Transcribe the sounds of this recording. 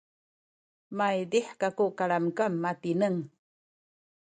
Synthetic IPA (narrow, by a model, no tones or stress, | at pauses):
majd̪iħkakuʔkaɭamkamːat̪inəŋ